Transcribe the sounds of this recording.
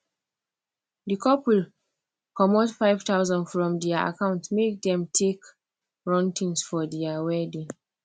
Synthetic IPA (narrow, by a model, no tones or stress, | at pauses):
dikʰɔpwil | kʰɔmotfaɪv̥taʊzɔ̃ndfɹɔ̃mdɛaa̰kãʊ̃ntmek̚dɛ̃mtʰek | ɹɔ̃ntĩŋsfɔdiawɛdĩ